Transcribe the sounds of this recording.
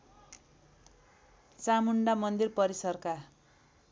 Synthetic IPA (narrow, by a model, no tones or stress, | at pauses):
t͡samuɳɖamʌnd̪irpʌɾisʌrka